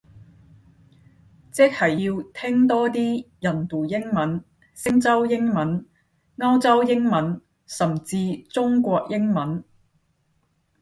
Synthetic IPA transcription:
t͡sɪ˥k̚hɐ˨˩jjiː˧wt̪ʰɪ˥ŋt̪ɔː˥t̪iː˥jɐ˨˩nt̪uː˨˩jɪ˥ŋmɐ˨˥n | sɪ˥ŋt͡sɐ˥wjɪ˥ŋmɐ˨˥n | ŋɐ˥wt͡sɐ˥wjɪ˥ŋmɐ˨˥n | sɐ˨˩mt͡siː˧t͡sʊ˥ŋkʷɔː˧k̚jɪ˥ŋmɐ˨˥n

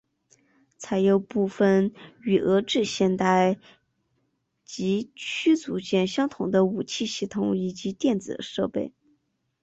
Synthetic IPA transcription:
t͡sʰa˧˥ɪjo˧˩ʊpu˥˩fə˥˩ny˨˩ʔɤ˧˥ʈ͡ʂɻ̩˥˧ɕjɛ˥˧nt̪a˥˩ɪ | t͡ɕi˧˥t͡ɕʰy˥t͡sṵ˧˥t͡ɕjɛ˥˩nɕjɑ˥ŋt̪ʰʊ˨˩ŋd̪ə˦u˨˩t͡ɕʰi˥˧ɕi˥˩t̪ʰʊ˨˩ŋi˨˩t͡ɕi˧˥t̪jɛ˥˩nd͡zɹ̩˨˩ʂɤ˥˧pe˥˩ɪ

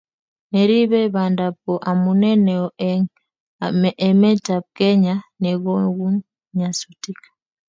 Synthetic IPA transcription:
nɛ˨ɾi˦βɛ˦βa˨nda˨pɔ˨ʔa˨munɛ˦nɛɔ | mɛ˦ta˨p̚kɛ˦ɲa˦nɛ˨ɣɔ˦ɡu˦ | ɲasuti˦kḁ˨

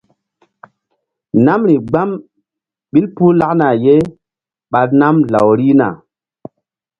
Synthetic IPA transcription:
na˦mɾi˨ɡ͡ba˦m | ɓi˦lpu˦la˦kna˨je˦ | ɓa˨t̚na˦mla̰˨wɾi˦na̰˨

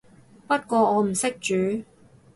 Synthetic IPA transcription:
pɐ˥t̚kʷɔː˧ɔː˨˧m̩˨˩sɪ˥k̚t͡ʃyː˨˧˥

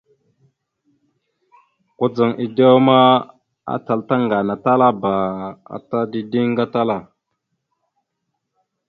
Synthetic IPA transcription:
ku˦d͡za˨ŋʔi˨do˦ma˦ | a̰˦ta˨lta˦ŋɡa˨na˨ta˦la˦ba˨a̰˨ta˦di˦di˦ŋ˦ɡa˦ta˦la˦˨

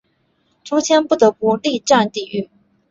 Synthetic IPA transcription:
ʈ͡ʂu˥t͡ɕʰjɛ˥npu˥˩t̪ɤ˧˥pu˥˧li˥˧ʈ͡ʂa˥˧nt̪i˨˩y˥˩

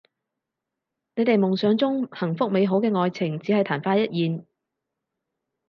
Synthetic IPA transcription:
ne˨˧jt̪e˨jmʊ˨˩ŋsœː˨˧˥ŋt͡sʊ˥ŋhɐ˨˩ŋfʊ˥k̚me˨˧jɦo˨˥wkɛː˧ŋɔː˨jt͡sʰɪ˨˩ŋt͡siː˨˥hɐ˨jt̪ʰaː˨˩nfaː˧jɐ˥t̚jiː˨n

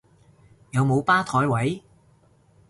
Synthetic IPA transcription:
jɐ˨˧wmo˨˧wpaː˥t̪ʰɔː˨˥jwɐ˨˥j

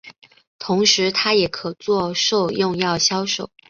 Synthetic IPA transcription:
t̪ʰʊ˧˥ŋʂɻ̩˧˥t̪ʰa˥jɛ˨˩kʰɤ˨˩t͡swɔ˥˧ʂo˥˧ʊjʊ˥˧ŋjɑ˥˩ʊɕjɑ˥ʊʂo˥˩ʊ

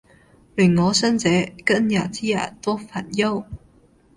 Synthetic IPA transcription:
ly˨˩ŋŋɔː˨˧˥sə˥nt͡sɛː˨˥kə˥njaː˨˩t͡si˥ja̰ː˨˩t̪wɔ˥fa˨˩njo˥˩w

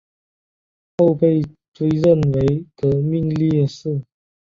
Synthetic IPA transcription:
xo˥˧ʊpe˥˧ɪ | t͡swe˥ɪɻə˥˩nwe˧˥ɪt̪ə˧˥mi˥˧ŋli˥˧ʂɻ̩˥˩

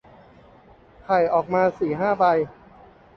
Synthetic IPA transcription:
kʰa˨˩jʔɔː˨˩k̚maː˧siː˨˩ɦaː˥˩ba˧j

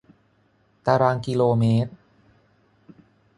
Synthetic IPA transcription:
t̪aː˧ɾaː˧ŋkiː˧loː˧meː˦˥t̪̚

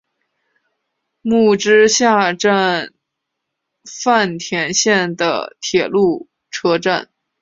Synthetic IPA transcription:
mu˥˩ʈ͡ʂɻ̩˥ɕja˥˧ʈ͡ʂa˥˧n | fa˥˩nt̪ʰjɛ˧˥nɕjɛ˥˩nd̪ə̰˩t̪ʰjɛ˨˩lu˥˩ | ʈ͡ʂʰɤ˥ʈ͡ʂa̰˥˩n

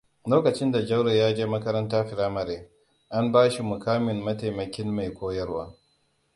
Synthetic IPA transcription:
loː˦kɐ˨t͡ʃɪ˦nda˨d͡ʒɐ˦wɽa˨jaː˦d͡ʒeː˦mɐ˦kɐ˦ɾɐ˦ntaː˦ɸɪ˨ɾaː˦mɐ˨ɾeː˦ | ʔa˦mbaː˦ʃi˨mʊ˨kaː˦mɪ˨mːɐ˦ta˨mɐ˨kʲɪ˦nːa˨jkʷoː˦jɐ˦rwa̰ː˦

